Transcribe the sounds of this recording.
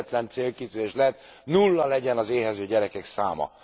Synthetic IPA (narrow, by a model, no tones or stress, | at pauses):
t̪lɛnt̪seːlkit̪yːzeːʃlɛɛt̪nulːɒlɛɟɛnɒzeːɦɛzøːɟɛɾɛkɛksaːmɒ̰